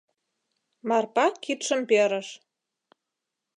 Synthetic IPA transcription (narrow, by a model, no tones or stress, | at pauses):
mɑrpɑkːit̪ʃə̆mpøɾə̆ʃ